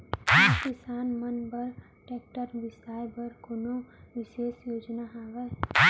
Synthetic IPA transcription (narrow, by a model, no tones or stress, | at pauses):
kɪsaːnmənbəɾ | ʈeːk̚ʈəɾbɪsaːebəɾkonoʋɪʃeːsjoːd͡ʒnaɦaːʋɛ